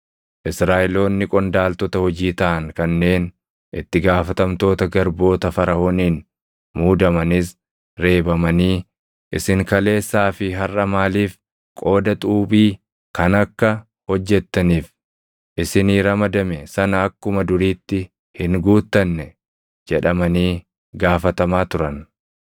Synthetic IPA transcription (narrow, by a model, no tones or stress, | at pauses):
ʔɪsɾaːʔɛlo̞ːnːɪkʼɔnd̪aːlt̪ɔt̪ɐhɔd͡ʒiːt̪ɐʔɐŋkɐnːe̞ːn | ʔɪt̪ːɪɡaːfɐt̪ɐmt̪o̞ːt̪ɐɡɐɾbo̞ːt̪ɐfɐɾɐhoːniːn | muːd̪ɐmɐnɪs̬ | ɾe̞ːbɐmɐniː | ʔɪsɪŋkɐle̞ːsːaːfɪɦɐrːɐmaːliːf | kʼo̞ːd̪ɐt̪ʼuːbiː | kɐnɐkːɐ | hɔd͡ʒːɛt̪ːɐniːf | ʔɪsɪniːɾɐmɐd̪ɐmɛsɐnɐːkːʊmɐd̪ʊɾiːt̪ːɪ | hɪŋɡuːt̪ːɐnːɛ | d͡ʒɛᶑɐmɐniː | ɡaːfɐt̪ɐmaːt̪ʊɾɐn